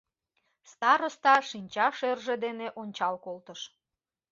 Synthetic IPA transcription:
st̪ɑɾost̪ɑʃinʲt͡ɕɑʃerʒed̪eneʔonʲt͡ɕɑlkolt̪əʃ

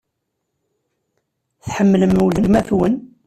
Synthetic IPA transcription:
θħəmːləmuləlmæθwən

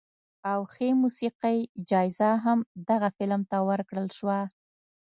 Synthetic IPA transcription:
awxemusiqajd͡ʒɑjzaɦamd̪aɣafɪlmt̪awəɾkɽəlʃwa

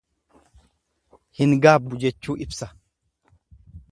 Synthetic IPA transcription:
hɪŋɡaːbːʊd͡ʒɛt͡ʃːuːɪbsɐ

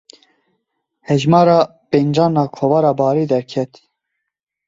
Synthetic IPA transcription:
hɛʒmɑːɾɑː | pend͡ʒɑːnɑːkʰovɑːɾɑːbɑːɾiːd̪ɛɾkʰɛt̪

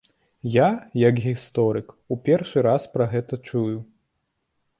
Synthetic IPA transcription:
jajɐkɣʲist̪ɔɾɨk | upʲɛrʂɨɾaspɾɐɣɛt̪ɐt͡ʂuju

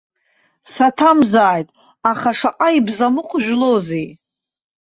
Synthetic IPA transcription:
satʰamzaːjtʼ | aχaʂaqʼaibzamɨqʷʼʒᶣʷlozej

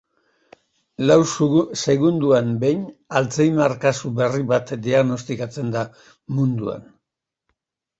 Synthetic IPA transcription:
lawsse̞ɣund̪uambe̞jɲalt͡sejmaɾkasuβe̞riβat̪d̪iaɣno̞st̪ikat͡se̞nd̪a | mund̪ua̰n

